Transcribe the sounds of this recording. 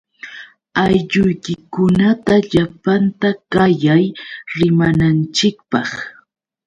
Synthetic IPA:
ajʎʊjkɪkʊnat̪aʎapant̪akajajɾɪmanant͡ʃɪkpɑχ

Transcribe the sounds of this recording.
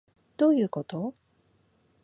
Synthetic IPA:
d̪̥o̞ːjɯ̟ːko̞t̪o

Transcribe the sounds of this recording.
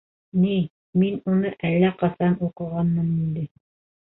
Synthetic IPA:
ni | minunɤʔælːæqɑsɑnuqɤ̆ʁɑnmɤnind̪ɘ

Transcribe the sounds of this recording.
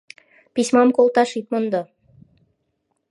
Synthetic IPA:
pisʲmɑmkolˠt̪ɑʃit̪̚mŏnd̪ɤ

